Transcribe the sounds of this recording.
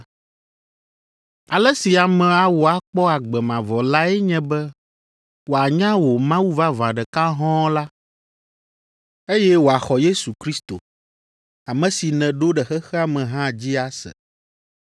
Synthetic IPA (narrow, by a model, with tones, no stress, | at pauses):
a˨lɛ˦si˨a˨mɛ̃˨a˨wo˨a˨k͡pɔ˦a˨ɡ͡bɛ˨mã˨vɔ˨la˦ɛ˦ɲɛ̃˦bɛ˦ | wo˨a˨ɲã˦wo˨mã˦wu˦va˦vã˨ɖɛ˨ka˦ɦɔ̃˦la˦ | e˦jɛ˦wo˨a˨xɔ˨je˦su˨kɾi˦st̪o̰˨ | a˨mɛ̃˨si˨nɛ̃˨ɖo˦ɖɛ˨xɛ˦xɛ˦a˨mɛ̃˨ɦã˦d͡ʑi˦a˨sɛ̰˨